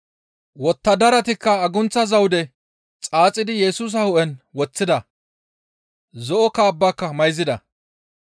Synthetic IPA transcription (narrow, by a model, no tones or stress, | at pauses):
wɔt̪ːɐd̪ɐɾɐt̪ɪkːɐːɡʊnt͡sːɐzɐwd̪ɛ | t͡sʼaːt͡sʼːɪd̪ɪjɛsuːs̬ɐhʊʔɛnwɔt͡sːɪd̪ɐ | zɔʔɔkaːbːaːkːɐmɐjzɪd̪ɐ